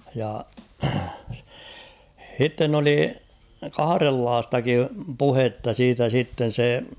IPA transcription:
jɑ h̞itːen oli kɑhɑrelːɑːstɑkim puhetːɑ siːtæ sitːen̞ se

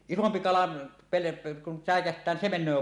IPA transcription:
isompi kɑlɑ pele kun sæˑekæhtˑæː nin se menˑøː

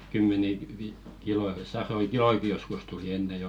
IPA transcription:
kymːeni ʋi kiloi sɑroi kiloiki joskus tuli enːe joː

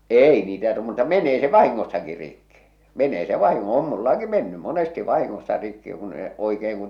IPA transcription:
eˑi niːtæ t mutːɑ menˑeː se ʋɑhiŋːosːɑki rikːi menˑeː se ʋɑhiŋːo om mulːɑki menːym̆ monesti ʋɑhiŋːosːɑ rikːi kun e oikeːŋ kun

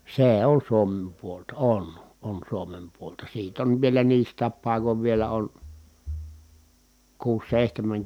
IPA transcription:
seː on suomem puoltɑ on on suomem puoltɑ siːt on ʋielæ niːstˑæːp pɑˑi̯koʋ ʋielæ on kuːs seˑihtemæŋ

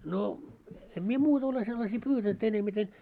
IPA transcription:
no em mie muːtɑ ole selːɑsiː pyːtænt enemiten

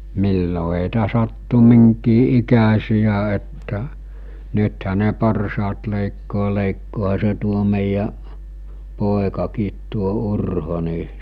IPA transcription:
milːo ɦeˑitæ sɑtːu miŋkiː ʔikæsijæ etːæ nythæ ne porsɑːt leˑikːoː leˑikːoːhɑ se tuo meˑijæʔ poˑekɑkiːt tuo urho ni

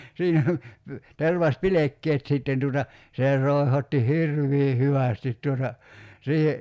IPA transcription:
siːnæ terʋɑspilekːeːt siˑtːen tuːtɑ seˑ roˑi̞hotːi hirʋˑiː hyʋæˑstit tuotɑ siːhe

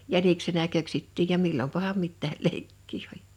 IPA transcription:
jæniksenæ køksitːiːj jɑ milːompɑhɑm mitːæːl leikːiː olʲ

